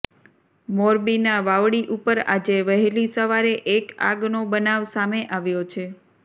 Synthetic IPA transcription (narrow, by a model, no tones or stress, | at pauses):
moɾbinaʋaʋɽiʔupəɾa̰d͡ʒeʋəɦelisəʋaɾeʔeka̰ɡnobənaʋsameʔaʋjot͡ʃʰe